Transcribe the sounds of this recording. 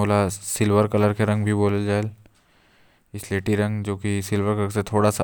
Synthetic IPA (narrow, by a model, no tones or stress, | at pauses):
oːlasɪlʋəɾkɐləɾkeɾɐ̃ŋɡbʱiboːləld͡ʒaːel | ɪsleːʈiɾɐ̃ŋɡd͡ʒoːkisɪlʋəɾkəəɾset̪ʰoːɽasa